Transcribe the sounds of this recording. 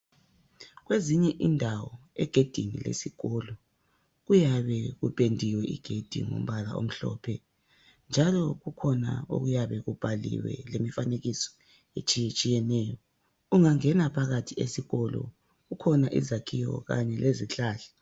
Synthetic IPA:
ɣweziɲɛʔindʱawɔɛɡ̥ʱed̥ʱinḭlḛsiɣɔlɔ | ɣujaβɛɣupʼendʱiwɛʔḭɡ̥ʱed̥ʱḭŋo̰m̩βala̰ʔo̰m̩ɬɔ̰pʰɛ | nd͡ʒʱalɔɣukʰɔna̰o̰ɣujaβɛɣub̥ʱalḭwɛ̰lemifaneɣisɔ̥ | et͡ʃʼiet͡ʃʼijɛnɛːjɔ | uŋaŋɛnapʰaɣatʰiesiɣɔlɔ̰ | ukʰɔnaʔḭzakʰijɔ̰ɣa̰ɲɛlʔeziɬaːɬɛ̥

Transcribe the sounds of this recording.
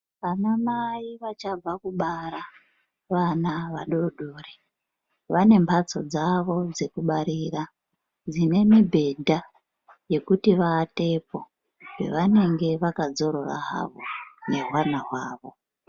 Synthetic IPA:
ʋanamaiʋat͡ʃab͡vakuɓaɾa | ʋanaʋaɗo̞ɗore | ʋane̞mbʰʱat͡so̞d͡zaʋo̞d͡ze̞kuɓaɾiːra | d͡zine̞mibʱe̞dʱa | je̞kutiʋate̞po | we̞̰ʋane̞ŋɡe̞ʋakad͡zo̞ɾo̞ra̰ɦa̰ʋo̞̰neɦwanaɦwaːʋo̞

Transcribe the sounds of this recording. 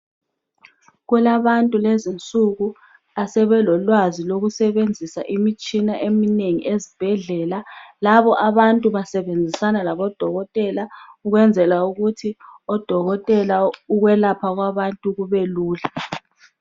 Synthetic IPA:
ɣɛlaβantʼulezint͡sʼuɣu | asɛβɛlɔlwaziloɣusɛβend͡zʱisaʔimit͡ʃʼinaʔemineŋḭʔezib̥ʱɛɮɛːlalaβɔʔaβantʼuβasɛβend͡zʱisanalaβɔd̥ʱɔɣɔtʼɛlauɣwɛnd͡zʱɛlauɣutʰiɔd̥ʱɔɣɔtʼɛlauɣwɛlapʰaɣwaβantʼuɣuβɛluːla

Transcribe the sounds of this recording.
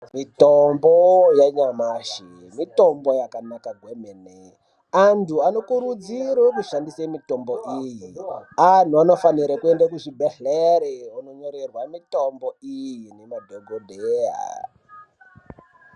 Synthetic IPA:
mitombojaɲamaːʃi | mito̞mbo̞jakanakaɡʱwemene | antʰuano̞kuɾud͡ziɾek̬uʃandisemito̞mboʔiːjian̤tuano̞faniɾakue̞ndakuʐibʱeɬeɾeuno̞ɲo̞ɾerwamito̞mbo̞ijine̞madʱoɡʱodʱea̰

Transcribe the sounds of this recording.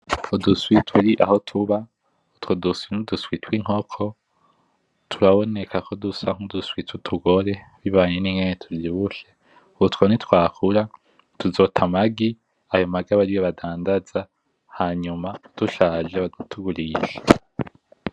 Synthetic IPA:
uduswitʰuɾiʔa̰ho̞tʰuβa | utwoduswinuduswitwiŋ̥o̞kʰo̞ | tʰuɾaβo̞ne̞kakʰodusaŋ̥uduswitutʰuɡo̞ɾe̞ | βiβaːɲeniŋɡeɲetʰuɾiβuʃe̞ | uutwonitkwaːkʰuɾa | tuzo̞tʰamaɡi | ajo̞maɡaβaɾijoβadaːndaza | haɲumad̥uʃaːʒeβautʰuɡuɾiʃe̥

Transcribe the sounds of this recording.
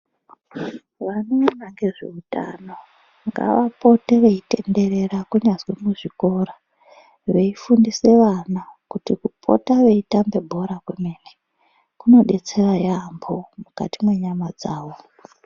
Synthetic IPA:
ʋanoːnaŋɡe̞ʐe̞̰uta̰no̞ | ŋɡa̰ʋapo̞teʋeite̞nde̞ɾe̞rakuɲazwemuʐiko̞ːɾa | ʋe̞ifundise̞ʋanakutikupʰo̞̰taʋeitambe̞bʱo̞ɾakwemeːne | kuno̞ɗe̞t͡se̞rajambomuka̰timwe̞ɲamad͡zaːʋo̞

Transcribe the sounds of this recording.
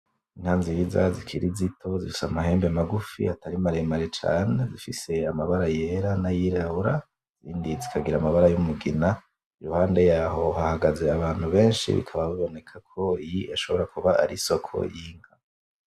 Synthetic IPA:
in̥haːnziɾiza̰zikʰiɾizitʰo̞zifisamaɦe̞ːmbemaɡufḭataɾimaɾe̞maɾe̞t͡ʃa̰ːne̞zifise̞amaβaɾajeɾanajiɾauɾa | z̥iːndizikʰaɡiɾamaβaɾajumuɡina | iɾuhaːnde̞jaːɦo̞hahaɡaze̞aβaːn̥huβe̞ːnʃḭβḭkʰaβaβiβo̞ne̞kʰakʰo̞ijiaʃo̞βo̞ɾakuβaaɾiso̞kʰo̞̰jiːŋ̥ha

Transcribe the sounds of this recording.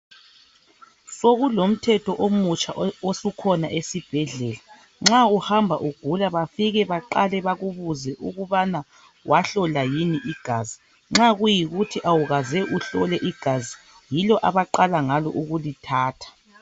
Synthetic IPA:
soɣulom̩tʰɛtʰɔʔomut͡ʃʼaosukʰɔnaʔesib̥ʱɛɮɛla | ŋ͡ǁauhambʱaʔuɡ̥ʱulaβafiɣɛβaǃalɛβaɣuβuzɛʔuɣuβana | wʔaɬɔlajiniʔiɡ̥ʱazi | ŋ͡ǁaɣujiɣutʰiʔawuɣazɛʔuɬɔlɛʔiɡ̥ʱazi | jilɔʔaβaǃalaŋalɔʔuɣulitʰaːtʰḁ

